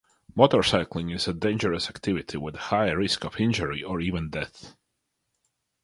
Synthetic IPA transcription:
mɔtə˞saɪklˠɪ̃ŋɪzədẽɪ̃nd͡ʒəɹəsæktʰɪvɪtʰiwɪðəhaɪəɹɪskɔv̥ɪ̃nd͡ʒəɹiə˞iːvə̃ndɛθ

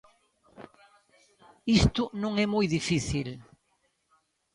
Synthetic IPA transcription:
ist̪ʊnõŋɛmɔjðifiθil

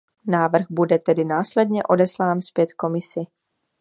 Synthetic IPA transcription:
naːvr̩ɣbudɛt̪ɛdɪnaːslɛdɲɛʔo̞dɛslaːnspjɛt̪ko̞mɪsɪ

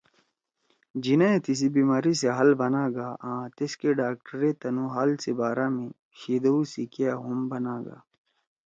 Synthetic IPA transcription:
d͡ʑinãẽt̪is̬ibiːmaːɾiseɦɐlbɐnaːɡaːʔãːt̪eskeɖaːk̚ʈəɾeːt̪ɐnũɦaːlsebaːɾãːmẽ | ɕiːd̪ɐusikeaɦumbɐnaːɡa̰ː

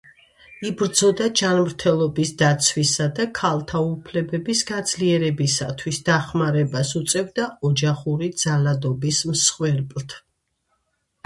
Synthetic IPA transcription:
ibɾd̪zɔd̪ad͡ʒanmɾt̪ʰɛlˠɔbisd̪at̪sʰwisad̪akʰalˠt̪ʰaupʰlɛbɛbisɡad̪z̥liɛɾɛbisa̰t̪ʰwisd̪aχmaɾɛbasut̪sʼɛvd̪aɔd͡ʒaχuɾid̪zalad̪ɔbismsχwɛɾpʼlˠt̪ʰ

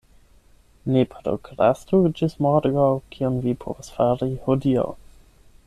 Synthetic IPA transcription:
nepʰaɾo̰kɾa̰stud͡ʒismaɾɡawkʰionvipʰo̰vasfaɾihodia̰w

